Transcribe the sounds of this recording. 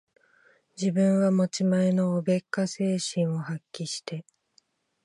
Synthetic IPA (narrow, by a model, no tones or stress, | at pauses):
d͡ʑibɯ̟̃ɰ̃βamo̞t͡ɕimaeno̞ːbe̞kːase̞ːɕĩɰ̃o̞hakʲːiɕi̥t̪e̞